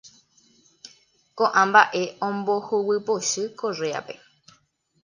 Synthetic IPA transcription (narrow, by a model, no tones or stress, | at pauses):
kõʔãmbaʔe̞õmbohuwɨpoʃɨkorea̰pe̞